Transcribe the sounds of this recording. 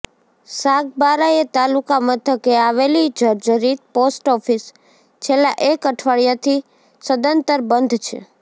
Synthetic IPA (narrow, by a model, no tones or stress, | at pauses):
saɡbaɾaet̪alukamət̪ʰəkeaʋelid͡ʒʱəɾd͡ʒəɾit̪̚posʈɔfis | t͡ʃʰelːaʔekəʈʰʋaɭjat̪ʰi | səd̪ənt̪əɾbənd̪ʱt͡ʃʰḛ